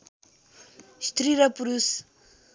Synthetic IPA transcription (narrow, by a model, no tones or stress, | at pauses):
ʃt̪ɾiɾapuɾus